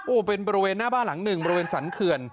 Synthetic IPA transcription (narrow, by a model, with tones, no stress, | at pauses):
ʔoː˧˩pe˧nbɔː˧i˧weː˧nːaː˥˩baː˥˩nla˩˦ŋnɯ˨˩ŋbɔː˧ɾi˧weː˧nsa˩˦nkʰɯ˧ən